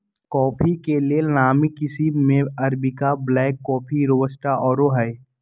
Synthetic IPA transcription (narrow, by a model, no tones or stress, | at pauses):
kɔːpʰikelienaːmikɪsimẽɐɾbɪkablɛːkːɔːpʰiɾoːbəsʈaʔɔːɾoɦɛ